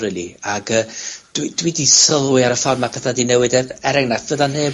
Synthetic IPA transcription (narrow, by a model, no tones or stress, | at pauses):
ɪliaɡəːd̥widwidisəlˠwɨaɾəfarmapʰɛθadinɛwɨdɛɛɾɛŋnaθvəðaneː